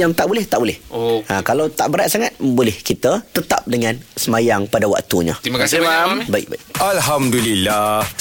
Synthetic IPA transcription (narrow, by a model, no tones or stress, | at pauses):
jaŋt̪aʔbolɛht̪aʔbolɛhoãkalawt̪aʔbəɾat̪̚saŋat̪̚bolɛhkit̪ət̪ət̪a̰p̚dəŋãnsəmajaŋpadawa̰k̚t̪uɲə̰̃t̪imakasabaḭʔ̚ba̰iʔalɦamdulilːah